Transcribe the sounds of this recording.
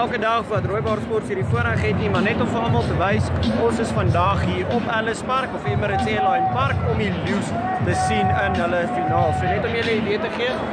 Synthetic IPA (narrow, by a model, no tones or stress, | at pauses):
ælˠkədɐχvɐtruəp̚bɑːrspɔrtfəːɾdifuəɾəχɛtnimɐrnɛtɔmfəɑlmɐlˠtəvəjsɔsəsfɐndɐχɦiːrɔpɐləspærkɔfɛməɾətɛlɑɛnpɐrkɔmilis | təsinənɦələfinɑːlˠsuənɛtɔmjələidiətəχiə